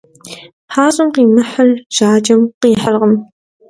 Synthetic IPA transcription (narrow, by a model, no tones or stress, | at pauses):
ħaːɕʼʊmqiːmɨħəlʒ̥aːd͡ʒɐmqiːħəlʁəm